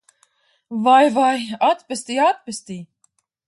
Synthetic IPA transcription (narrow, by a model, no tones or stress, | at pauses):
vajvajat̪pʲɛst̪iːat̪̚pest̪iː